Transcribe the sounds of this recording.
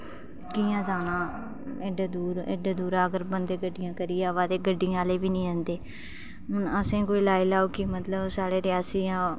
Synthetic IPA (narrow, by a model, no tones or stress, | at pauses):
kiːãːzaːnãː | eɖaːd̪uːɾḛɖeːd̪uːɾaːɡəɾbənd̪eːɡəɖɪjãːkəɾiːjaːʋaːd̪eːɡəɖːɪjãːleːbiːnĩːə̃nd̪eː | ɦʊnəsẽːkoːiːlaːilaːoːkɪmət̪ləbsaːɽeːɾɪaːsiːjãː